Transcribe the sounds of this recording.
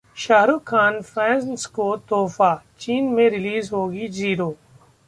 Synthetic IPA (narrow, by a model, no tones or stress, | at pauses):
ʃaːɦɾukʰːaːnfʰɛːnskoːt̪oːfaːt͡ʃiːnmẽɾɪliːzɦoːɡiːziːɾoː